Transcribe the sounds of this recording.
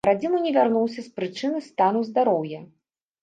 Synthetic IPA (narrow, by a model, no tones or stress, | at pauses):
ɾad͡zʲimunʲɛvʲarnuwsʲɐspɾɨt͡ʂɨnɨst̪anuzd̪aɾɔwjɐ